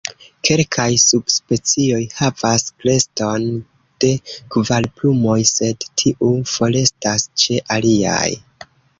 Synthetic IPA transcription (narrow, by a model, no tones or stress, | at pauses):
kʰe̞lkʰajsub̥spe̞t͡sio̞jhavaskle̞sto̞n | d̥e̞kvalplumo̞jse̞dtʰiʔufo̞le̞stast͡ʃe̞ʔalia̰j